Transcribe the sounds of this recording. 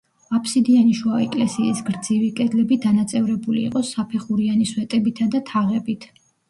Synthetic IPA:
apʰsid̪ianiʃwaɛkʼlɛsiːsɡɾd̪zivikʼɛd̪lɛbid̪anat̪sʼɛvɾɛbulḭːqʼɔsːapʰɛχuɾianiswɛt̪ʼɛbit̪ʰad̪at̪ʰaʁɛbit̪ʰ

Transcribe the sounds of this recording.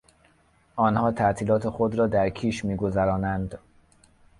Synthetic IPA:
ɒːnhɒːt̪ʰæʔt̪ʰiːlɒːt̪ʰe̞xod̪ɾɒːd̪æɾkʰiːʃmiːɡo̞zæɾɒːnænd̪

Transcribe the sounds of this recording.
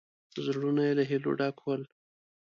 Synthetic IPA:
zɽunajelaɦilo̰ɖɑkwəl

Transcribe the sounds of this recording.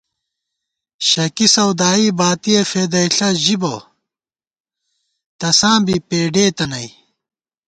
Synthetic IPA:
ɕɐkisɐwd̪aːiːbaːt̪iefeːd̪ɐiɬɐʑibɐ̰ | t̪ɐsãːbipeːɖeːt̪ɐnɐi

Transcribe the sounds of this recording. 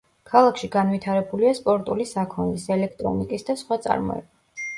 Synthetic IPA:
kʰalˠakʰʃiɡanwit̪ʰaɾɛbuliaspʼɔɾt̪ʼulisakʰɔnd̪isɛlɛkʰt̪ʼɾɔ̰nikʼisd̪asχwat̪sʼa̰ɾmɔ̰ɛ̰ba

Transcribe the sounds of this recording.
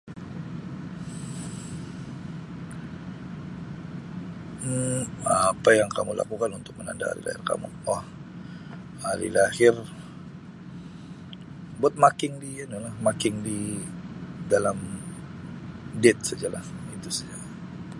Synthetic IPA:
apajaŋkamula̰kukanunt̪ʊk̚məna̰ndaha̰ɾḭla̰hɪrka̰mṵah | haɾḭlahɪr | buat̪̚makɪŋdiinulahmakɪŋdi | dalam | dɛt̪̚sad͡ʒalahit̪usad͡ʒaa

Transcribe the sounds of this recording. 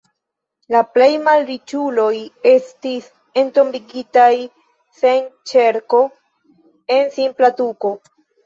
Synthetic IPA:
laple̞jmalɾit͡ʃulo̞je̞stis | e̞nto̞mbiɡitaj | se̞nt͡ʃe̞ɾko̞ | e̞nsimplatuko̞

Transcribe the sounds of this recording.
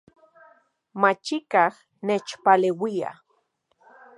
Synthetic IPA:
mat͡ʃikah | net͡ʃpalewia̰

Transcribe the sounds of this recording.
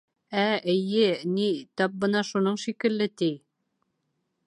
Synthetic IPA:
æɘ̆jɘnit̪ɑp̚bɤ̆nɑʃunɤɴʃikɘ̆lːɘt̪i

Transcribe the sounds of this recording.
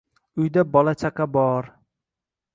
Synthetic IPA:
ʊjd̪abɒlat͡ʃʰaqɑbɒɾ

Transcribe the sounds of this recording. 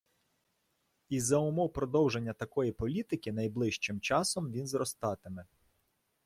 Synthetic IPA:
izːɐʊmɔwpɾɔd̪ɔwʒe̞nʲːɐt̪ɐkɔjipɔlʲit̪ɪkʲɪnɐjblˠɪʃt͡ʃɪmt͡ʃɑsɔmʋʲinzɾɔst̪ɑt̪ɪmɛ

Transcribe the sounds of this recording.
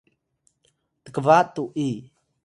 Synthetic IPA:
t̪əkəvaʔt̪ːuʔi

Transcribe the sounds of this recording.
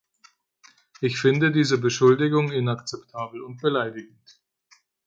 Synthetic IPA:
ʔɪçfɪndədiːzəbəʃʊldɪɡʊŋɪnakt͡sɛptʰaːbl̩ʊnt̚b̥əlaɪdɪɡŋ̩t

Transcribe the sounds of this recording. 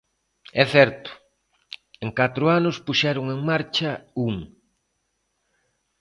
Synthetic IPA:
ɛθɛɾt̪ʊ̥ | eŋkat̪ɾʊanʊspuʃɛɾʊŋeŋmaɾt͡ʃɐuŋ

